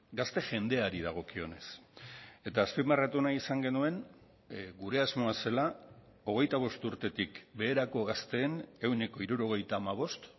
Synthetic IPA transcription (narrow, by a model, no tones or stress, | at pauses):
ɡast̪e̞ʝe̞nd̪e̞aɾið̞aɣ̞o̞kio̞̰ne̞s | e̞t̪aːspimarat̪unaisaŋɡe̞nue̞n | ɡuɾe̞azmo̞ase̞la | o̞ɣ̞e̞jt̪aβ̞o̞st̪uɾt̪e̞t̪ikbe̞ːɾako̞ɣast̪e̞ːne̞wneko̞iɾuɾo̞ɣ̞e̞jt̪aːmaβ̞o̞st̪